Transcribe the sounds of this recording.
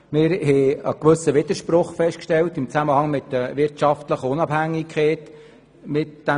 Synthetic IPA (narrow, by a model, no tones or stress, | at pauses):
mɪɾhɛəkʋɵsəʋɪd̪̥əɾʃprʊχfɛʃtkʃtɛltɪmt͡sæməhɑŋmɪtdəʋɪɾtʃɑftləχəʊnɑbhæŋːikʰχɛːt | mɪtd̥æ